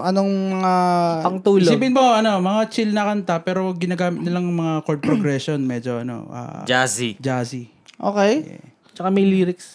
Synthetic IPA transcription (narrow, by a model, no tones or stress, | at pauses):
ʔɐnoŋmɐŋapɐŋt̪uːlsosiːbɪnmoʔɐno̞mɐŋat͡ʃɪlnɐkɐnt̪ɐpɛːɾo̞ɡɪnaːɡaːmɪt̪̚nɪlɐŋmɐŋakoɹd̪̚pɾoɡɾɛsonmɛd͡ʒo̞ʔɐ̰no̞̰ʔa̰ːd͡ʒaszid͡ʒaːsi | ʔo̰ːkɛjjɛ̰ | t͡ʃɐkamɐjliːɾɪks